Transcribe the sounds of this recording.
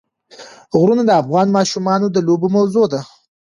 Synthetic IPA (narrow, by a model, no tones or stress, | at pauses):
ɣɾunad̪əafɣɑnmɑʃumɑnod̪əlobumawzod̪a